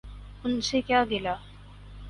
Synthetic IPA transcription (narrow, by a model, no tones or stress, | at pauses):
unsekjaɡela